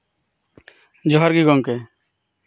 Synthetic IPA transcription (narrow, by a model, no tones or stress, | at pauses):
d͡ʒɔɦɔɾɡiɡɔŋkɛ